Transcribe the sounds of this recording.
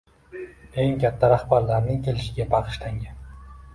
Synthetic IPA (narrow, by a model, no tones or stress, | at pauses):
e̞ŋkʲʰat̪ʰːaɾahbaɾlaɾnɪŋkʲʰe̞lɪʃɪɡʲabɑqʰɨ̥ʃlaŋɡʲan